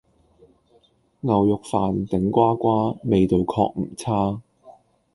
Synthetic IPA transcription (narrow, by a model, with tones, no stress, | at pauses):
ŋɐ˨wjʊ˨k̚faː˨nt̪ɪ˨˥ŋkʷaː˥kʷaː˥me˨˧jt̪o˨wkʰɔ̰ː˧k̚m̩˨˩t͡sʰaː˥